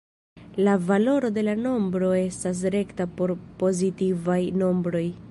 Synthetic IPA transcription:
lavalo̞ɾo̞de̞lano̞mbɾo̞e̞stas̬ɾe̞ktapo̞ɾpo̞zitivajno̞mbɾo̞j

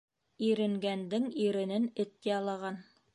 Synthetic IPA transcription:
iɾɘ̆ŋɡænd̪ɘŋiɾɘ̆nɘnɘ̆t̪̚ːejɑlˠɑʁɑn

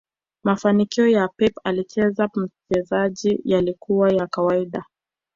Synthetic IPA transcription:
mafanikiɔjapɛpalit͡ʃɛzam̩t͡ʃɛzaʄijalikuwajakawaiɗa

